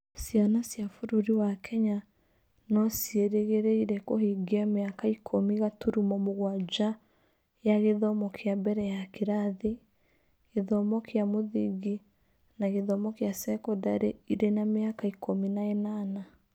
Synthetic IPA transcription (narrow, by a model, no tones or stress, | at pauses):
sjanasjafoɾoɾiwakʰɛɲa | nɔsieɾeɣeɾeiɾɛkohiɡeameakaikʰomiɣatuɾumɔmoɣwad͡ʒa | jaɣeðɔmɔkʰeabɛɾɛjakeɾaðe | ɣeðɔmɔkʰeamoðiɡi | naɣeðɔmɔkeasɛkɔdaɾeiɾenameakaikʰominaenana